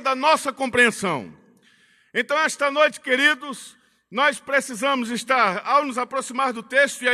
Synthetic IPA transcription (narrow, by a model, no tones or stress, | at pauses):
d̪ɐnɔsɐkõmpɾiẽsɐ̃w̃ | ẽnt̪ɐ̃w̃ɛst̪ɐnojt͡ʃɪ̥keɾid̪ʊs | nɔspɾesizɐ̃mʊzɪst̪aɾawnʊzapɾosimaɾd̪ʊt̪eʃt̪ʊia